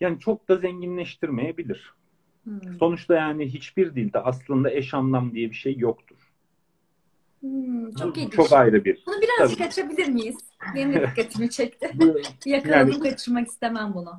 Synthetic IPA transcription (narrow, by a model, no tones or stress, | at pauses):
jaːnit͡ʃʰo̞k̚d̪azeɲɟinlʲɛʃt̪ʰiɾme̞jebilʲiɾ̝̥ | so̞nut͡ʃt̪ʰajaːniɦit͡ʃbiɾd̪ilʲd̪ɛʔaslˠɯnd̪aɛʃanlˠamd̪ijɛbiʃejːokt̪ʰuɾ̥ | t͡ʃʰokit͡ʃʰo̞kajɾɯbiɾ̥unubiɾazab̪ikʰat͡ʃebilʲiɾmijiz̥ | beimd̪ikːat̪ʰimit͡ʃʰɛc̚t̪ɪbbijakɯnaanɯmkʰat͡ʃʰɯɾmaki̥st̪emænbunʊ